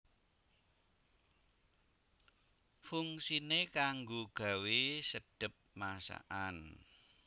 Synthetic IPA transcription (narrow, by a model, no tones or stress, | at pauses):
fuŋsinekaŋɡoɡ̥a̤wesəɖ̥ə̤p̚masa̰ʔan